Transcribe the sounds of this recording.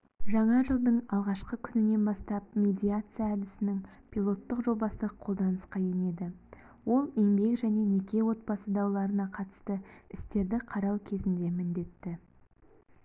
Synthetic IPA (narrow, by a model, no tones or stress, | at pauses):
ʒɑɴɑʒəlˠd̪əɴɑlˠʁɑʃqəkʲʰʏnɪne̞nbɑst̪ɑp̚mʲe̞d̪ʲijat̪sɨjaːd̪ɪsɪnɪŋpʲʰilˠo̞t̪ːəqʒo̞bɑsəqʰo̞lˠd̪ɑnəsqɑje̞ne̞d̪ɪ | wo̞lˠeŋbe̞kʒæne̞nekʲe̞wo̞t̪̚bɑsəd̪ɑwlˠɑɾənɑqʰɑt̪ə̥st̪əɪst̪e̞ɾd̪ɪqʰɑɾɑwkʲʰe̞zɪnd̪e̞mɪnd̪e̞t̪ːɪ